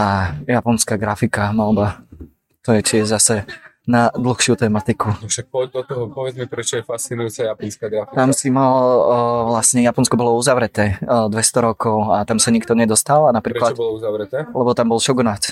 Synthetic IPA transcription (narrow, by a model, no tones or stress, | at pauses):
ajapɔnskaɡɾafikamalba | t̪ɔjɛt͡ʃiɛzasɛ | nad̪l̩xʃɪut̪ɛmat̪ikunɔʃak̚pɔdd̪ɔt̪ɔɦɔpɔʋɛd͡zmɛpɾɛt͡ʃɔjɛfast͡sinujut͡sajapɔnskaɡɾafit̪amsimalʋlasɲɛjapɔnskɔbɔlɔuzaʋɾɛt̪ɛːd̪ʋɛst̪ɔɾɔkɔʊat̪amsaɲikt̪ɔɲɛd̪ɔst̪alanapɾiːɾklat̪bɔlɔuzaʋɾɛt̪ɛːlɛbɔt̪ambɔlʃɔɡnat͡s